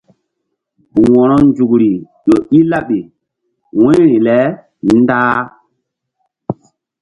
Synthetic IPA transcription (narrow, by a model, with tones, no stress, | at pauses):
u˨wɔ̃˨ɾɔ˦n˦d͡ʒu˨kɾi˨ | jo˨ʔi˦la˦ɓe˨ | wɛ̃˦ɾi˨lɛ˦ | n˦daː˦